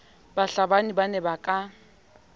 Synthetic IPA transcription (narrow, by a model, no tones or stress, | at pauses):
baɬabanibanɛbakʼa